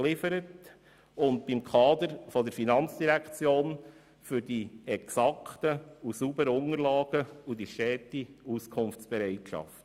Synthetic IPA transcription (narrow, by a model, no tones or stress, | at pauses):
lɪfəɾət | ʊntb̥imkʰɑːd̪əɾfɔd̪əɾfinɑnt͡sd̥iɾækt͡sjoːn | fʏɾdiɛksɑkʰtəusubəɾəʊŋəɾlɑːɡ̥əudiʃtɛːtiuskʰʊnft͡sb̥ɛɾɛɪtʃɑ̰ft